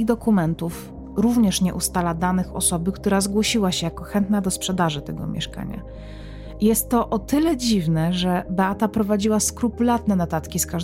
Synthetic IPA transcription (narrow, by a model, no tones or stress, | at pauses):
ɣd̪ɔkumɛnt̪uf | ɾuvɲɛʂɲɛʔust̪alad̪anɘxɔ̰sɔbɘkt̪uɾazɡwɔɕiwaɕɛjakɔxɛnt̪nad̪ɔspʂɛd̪aʐɘt̪ɛɡɔ̰mʲjɛ̰ʂka̰ɲa̰ | ijɛst̪ːɔʔɔt̪ɘlɛd͡ʑivnɛʐɛbɛat̪apɾɔvad͡ʑiwaskɾupulat̪nɛnɔt̪at̪kʲiskaʐ